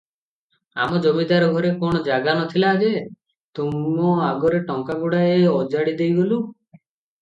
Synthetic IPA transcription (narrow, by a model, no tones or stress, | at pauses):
a̰mɔd͡ʒomid̪aɾɔɡʱɔɾekɔɽ̃ɔd͡ʒaɡanɔt̪ʰilaːd͡ʒe | t̪umɔaɡɔɾeʈɔŋkaɡuɽaeɔd͡ʒaɽid̪ejɡolu